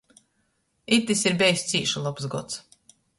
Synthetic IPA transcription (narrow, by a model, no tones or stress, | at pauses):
it̪isiɾbʲɛjsʲt̪siːʃulˠɔpsɡɔt̪s